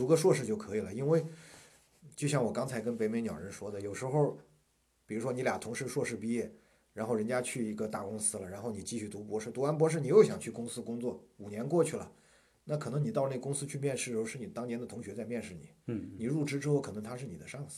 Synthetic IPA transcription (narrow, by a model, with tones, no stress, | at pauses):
t̪u˧˥ɡə˧ʂwɔ˥˧ʂ̬ɻ̩˥˧t͡ɕjo˥˩ʊkʰɤ˧˥i˨˩lə˩i˥nwe˥˩ɪ | t͡ɕjo˥˧ʊɕjɑ˥˩ŋwɔ˨˩kɑ˥ŋt͡sʰa˧˥ɪkə˥npe˧˥ɪme˧˥ɪnjɑ˨˩ʊɻə˧˥nʂwɔ˥d̪ə˨jo˨˩ʊʂɻ̩˧˥xo˥˧˩ʊ | pi˨˩ɻu˧˥ʂwɔ˥ni˧˥lja˨˩t̪ʰʊ˧˥ŋʂɻ̩˥˧ʂwɔ˥˧ʂɻ̩˥˩pi˥˧jɛ˥˩ | ɻa˧˥nxo˥˩ʊɻə˧˥nt͡ɕja˥t͡ɕʰy˥˩i˧˥ɡə˧t̪a˥˩kʊ˥ŋsɹ̩˥lə˩ɻa˧˥nxo˥˩ʊni˨˩t͡ɕi˥˧ɕy˥˩t̪u˧˥p̬wɔ˧˥ʂɻ̩˥˩t̪u˧˥wa˧˥np̬wɔ˧˥ʂɻ̩˥˩ni˨˩jo˥˩ʊɕjɑ˨˩ŋt͡ɕʰy˥˩kʊ˥ŋsɹ̩˥kʊ˥ŋt͡swɔ˥˩u˨˩njɛ˧˥nkwɔ˥˧t͡ɕʰy˥˩lə̰˩ | na˥˩kʰɤ˨˩nɤ˧˥ŋni˨˩t̪ɑ˥˧ʊne˥˩ɡkʊ˥ŋsɹ̩˥t͡ɕʰy˥˧mjɛ˥˧nʂɻ̩˥˧˥ʂɻ̩˧˥˩ni˨˩t̪ɑ˥ŋnjɛ˧˥nd̪ə˨t̪ʰʊ˧˥ŋɕɥɛ˧˥t͡sa˥˧ɪmjɛ˥˧nʂɻ̩˥˩nḭ˨˩˦ni˨˩ɻu˥˩ʈ͡ʂɻ̩˥ʈ͡ʂɻ̩˥xo˥˩ʊkʰɤ˨˩nɤ˧˥ŋt̪ʰa˥ʂɻ̩˥˩ni˨˩d̪ə˦ʂɑ˥˧ŋs̩˥˩